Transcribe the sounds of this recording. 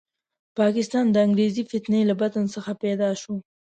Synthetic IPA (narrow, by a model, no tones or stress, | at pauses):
pɑkɪst̪ɑnd̪əaŋɡɾezifɪt̪nəjlabat̪ənsəxapɛd̪ɑʃu